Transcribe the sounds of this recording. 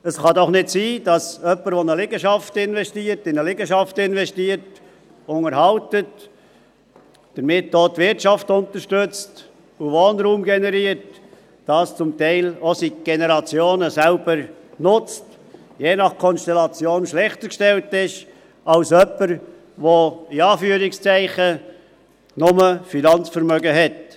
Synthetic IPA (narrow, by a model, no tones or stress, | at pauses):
əsχɑd̪ɔχnɪtsiːdɑsœpːəɾʋonəlɪɡəʃɑftɪnvɛstiːəɾtɪnəlɪɡəʃɑftɪnvɛstiːəɾt | ʊŋəɾhɑltət | d̥əɾmɪt̚doːtvɪɾtt͡ʃɑftʊntəɾʃtʏt͡st | uvoːnɾuːmɡɛnɛɾiːəɾt | d̥ɑst͡sʊmtæɪlosiɡ̥enəɾɑt͡sjoːnəsɛlb̥əɾnʊt͡st | jeːnɑχkʰɔnstɛlɑt͡sjoːnʃlɛχtəɾkʃtɛltɪʃ | ɑlsœpːəɾ | voiɑːfyːɾɪkst͡sæɪχə | nʊməfinɑnt͡sfəɾmœɡəɦɛt